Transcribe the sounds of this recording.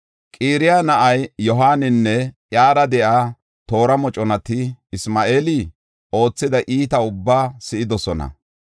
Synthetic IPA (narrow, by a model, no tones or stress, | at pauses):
kʼiːɾɪjanɐʔɐjjɔɦaːnɪnːɛʔjaːɾɐd̪ɛʔaː | t̪o̞ːɾɐmɔt͡ʃʼɔnɐt̪ɪɪsmaːʔeːlɪ | o̞ːt͡sːɪd̪ɐʔiːt̪ɐʊbːaːsɪɪd̪ɔsɔnɐ̰